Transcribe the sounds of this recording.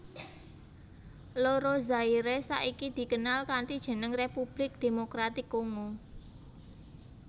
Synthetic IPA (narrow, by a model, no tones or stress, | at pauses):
loɾozaiɾesa̰ʔikid̪̥i̤kənalkaɳʈid̥ʒ̥ə̤nəŋrepub̥lɪk̚d̪̥e̤mokɾat̪ɪkːoŋu